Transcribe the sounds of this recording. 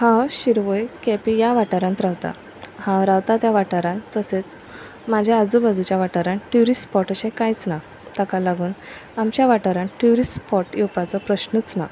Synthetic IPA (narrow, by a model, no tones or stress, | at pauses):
hãwɕiɾʋəjkɛpijaʋaʈaɾãnt̪ɾawt̪a̰ | hãwɾawt̪at̪jaʋaʈaɾãnt̪t̪ːəset͡s | mad͡ʑʱjaəd͡zubad͡z̪ut͡ɕjaʋaʈəɾãɳʈjuɾispɔʈəɕɛ̃kajt͡sna | t̪akalaɡuːnamt͡ɕjaʋaʈaɾãɳʈuɾispɔʈjɛwpat͡sɔpɾəɕnət͡sna